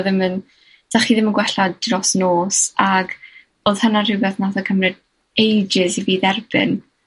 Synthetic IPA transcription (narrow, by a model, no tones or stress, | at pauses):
ðɪmən | d̥aχiðɪmənɡwɛɬɔdrɔsnoːsaɡ | oːðhənarɪwbɛθnaθakʰəmrɨd | ejd͡ʒɪsiviːðɛrbɪ̰n